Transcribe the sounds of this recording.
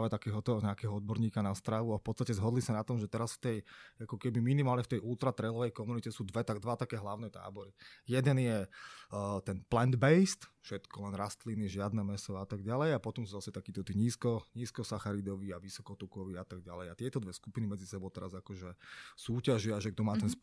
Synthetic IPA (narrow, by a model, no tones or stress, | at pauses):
ʋɛt̪akɛːɦɔt̪ɔɲɛakɛːɦɔɔd̪̚bɔɾɲiːkanast̪ɾaʋuafpɔtt͡sst̪acɛzɦɔd̪lisanat̪ɔmʒɛt̪ɛɾasft̪ɛjakɔkɛbiminimaːlɲɛft̪ɛjʔulˠt̪ɾat̪ɾɛjlɔʋɛjkɔmunicɛsuːd̪ʋɛt̪ad̪ʋat̪akɛːɦlaʊnɛt̪a̰ːbɔɾijɛd̪ɛnjɛ | t̪ɛnplɛnd̪bɛjst̪fʃɛt̪kɔlɛnɾast̪liniʒɪad̪nɛmɛsɔat̪aɡɟalɛjapɔt̪ɔmsuːzasɛt̪akiːt̪ɔt̪iːɲiːskɔɲiːskɔsaxaɾid̪ɔʋiaʋisɔkɔt̪ukɔʋiːat̪aɡ̚ɟa̰lɛjat̪ɪɛt̪ɔd̪ʋɛskupinimɛd͡zisɛbɔʊt̪ɛɾazakɔʒɛsuːcaʒiaʒɛɡ̚d̪ɔmaːt̪ɛns